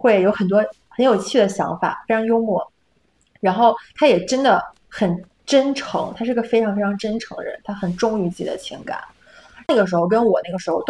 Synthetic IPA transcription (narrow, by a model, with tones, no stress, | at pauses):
xwe˥˩ɪjo˧˥ʊxə˨˩nt̪̬wɔ˥ | xə˧˥njo˨˩ʊt͡ɕʰy˥˩d̪ə˩ɕjɑ̰˧˥ŋfa̰˨˩fe˥ɪʈ͡ʂʰɑ˧˥ŋjo˥ʊmwɔ˥˩ | ɻa˧˥nxo˥˩ʊt̪ʰa˥jɛ˨˩ʈ͡ʂə˥nd̪ə˨ | xə˨˩n | ʈ͡ʂə˥nʈ͡ʂʰɤ̰˧˥ŋt̪ʰa˥ʂɻ̩˥˩˧ɡə˧fe˥ɪʈ͡ʂʰɑ˧˥ŋfe˥ɪʈ͡ʂʰɑ˧˥ŋʈ͡ʂə˥nʈ͡ʂʰɤ˧˥ŋd̪ə˧ɻə̰˧˥nt̪ʰa˥xə˨˩nʈ͡ʂʊ˥ŋy˧˥t͡ɕi˧˩d̪ə̰˨t͡ɕʰḭ˧˥ŋka̰˨˩˦ | na˥˩ɡə˩ʂ̬ɻ̩˧˥xo˧ʊkə˥nwɔ˨˩na˥˩ɡə˩ʂɻ̩˧˥xo˥˧ʊ